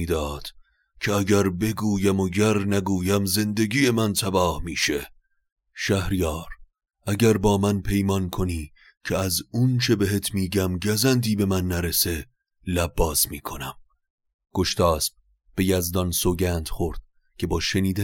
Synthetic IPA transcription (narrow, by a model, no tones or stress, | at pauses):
id̪ɒːd̪̥ | cʰeæɟæɾbe̞ɡuːjæmoɟæɾnæɡuːjæmze̞nd̪e̞ɡiːje̞mænt̪ʰæbɒːhmiːʃe | ʃæhɾijɒːɾ | æɟæɾbɒːmænpʰe̞jmɒnkʰoniː | cʰeæzunt͡ʃʰe̞beɦet̪ʰmiːɟæmɟæzænd̪iːbe̞mænːæɾe̞se̞ | læbːɒːsmiːkʰo̞næm | ɡ̥o̞ʃt̪ʰɒːsb̚ | b̥e̞jæzd̪ɒnsoɟænd̪̥χoɾd̪̥̚ | cʰe̞bɒːʃeniːd̪æ